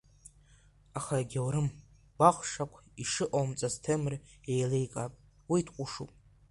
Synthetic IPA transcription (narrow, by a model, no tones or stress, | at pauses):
aχaɡʲawɾɨm | b̥aχʷʂakʷʰiʂɨʔomt͡sʼaztʰemrejlejkʼapʼ | witʰqʷʼʊʂupʼ